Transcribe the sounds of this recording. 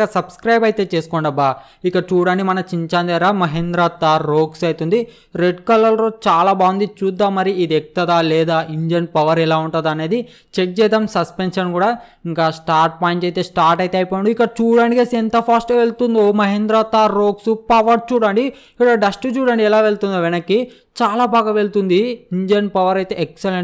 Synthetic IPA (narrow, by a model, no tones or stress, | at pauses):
kɐsɐbskɾɐjbɐjt̪e̞ːt͡ʃe̞ːsu̥kɔːɳɖɐbːa | ikːɐt͡ʃuːɽɐɳɖimɐnɐt͡ʃiɲt͡ʃaːnd̪eɾaːmɐɦend̪ɾat̪ːaːɾoːksɐjt̪und̪i | ɾeɖkɐlːɐlɾoːt͡ʃaːlaːbaːʋund̪it͡ʃuːd̪ːaːmːɐɾiid̪ek̚t̪ɐd̪aːlɛːd̪aːʔiɲd͡ʒɐnpɐʋɐɾɛlaːuɳʈɐd̪ɐne̞ːd̪i | t͡ʃek̚t͡ʃɛːt̪ɐmsɐspenʂɐnkuːɽaː | iŋkaːsʈaːɾʈ̚paːjiɳt͡ʃejt̪e̞ːsʈaːɾʈɐjt̪eːɐjpojɐɳɖuikːɐt͡ʃuːɽɐɳɖikesɛnt̪ɐpʰaːsʈeʋeɭt̪und̪ioːmɐɦend̪ɾaːt̪ːaːɾoːksupɐʋɐɾt͡ʃuːɽɐɳɖi | iɐɖɐsʈut͡ʃuːɽɐɳɖiɛlaːʋe̞ɭt̪und̪iʋɛnɐkːi | t͡ʃaːlaːbaːɡaːʋe̞ɭt̪und̪iiɲd͡ʒɐnpɐʋɐɾɐjt̪e̞ːekseleɳ